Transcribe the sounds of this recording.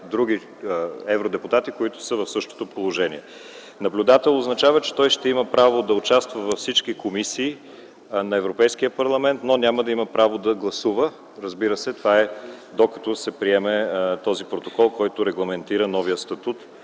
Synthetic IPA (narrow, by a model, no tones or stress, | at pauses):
d̪ɾuɡ̟i | ɛvɾod̪ɛpʊt̪at̪ikoit̪ʊ̥səvɐfsɤʃt̪o̥t̪opolˠoʒɛniɛ | nɐblʲʊd̪at̪ɛlˠoznɐt͡ʃavət͡ʃɛ̥t̪ɔjʃt̪ɛiməpɾavod̪ɐʊt͡ʃast̪vəvɐfsit͡ʃkikomisiː | nɐɛvɾopɛjsk̟ijəpɐɾlˠɐmɛnt̪nonʲaməd̪ɐimɐpɾavod̪ɐɡlˠɐsuvə | ɾəzbiɾəsɛt̪ovaɛ | d̪okə̥t̪ɔsɛpɾiɛmɛt̪ɔzipɾot̪okɔlˠkɔjt̪ʊɾɛɡlˠɐmɛnt̪iɾənɔvijəst̪ɐt̪ut̪